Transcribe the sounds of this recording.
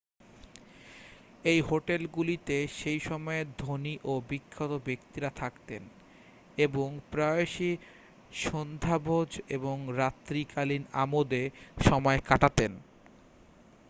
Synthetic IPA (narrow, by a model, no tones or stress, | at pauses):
ejɦoʈelɡulit̪eʃejʃɔmɔed̪ʱoniʔobikʰːot̪obekt̪iɾat̪ʰakt̪en | eboŋpɾaeʃi | ʃond̪ʱabʱod͡ʑeboŋɾat̪ːɾikalina̰mod̪eʃɔmɔekaʈat̪en